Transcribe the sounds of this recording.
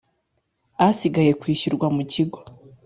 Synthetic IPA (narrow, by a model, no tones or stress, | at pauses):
asiɡaje̞kwiːʃuɾɡwamuciɡo̞